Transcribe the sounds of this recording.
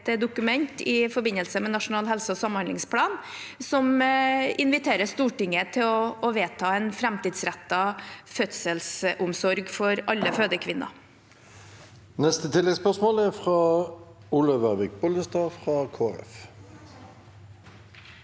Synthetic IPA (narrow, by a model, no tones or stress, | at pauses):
d̪ʊkʉmɛnt̪ɪfɔɾbɪnːəlsəmɛnɑʂʊnɑːlɦɛlsəɔsɑmːhɑnɪŋspʰlɑːn | sɔmɪnʋɪt̪ʰeːɾəst̪uːʈɪŋːət̪ʰɪlɔːʋeːt̪ʰɑːɛnfɾæmt̪iːd̪sɾæt̪ːɑfœt̪səlsʔʊmsɔɾɡfɔɾɑlːəføːd̪əkʰʋɪnːʔɑ̰ | nɛst̪ət̪ʰɪlːɛɡspœsmoːlæʁfʁɑː | ʊləʋæʁʋɪk̚bɔld̪əst̪ɑːfʁɑkʰoːæ̰ʁɛ̰f